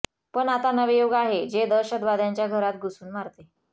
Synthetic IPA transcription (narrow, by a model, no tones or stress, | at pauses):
pəɳat̪anəʋejoɡaɦed͡ʑed̪əɾɕəd̪ʋad̪jaɲt͡ɕjaɡʱəɾat̪̚ɡusuːnmaɾt̪e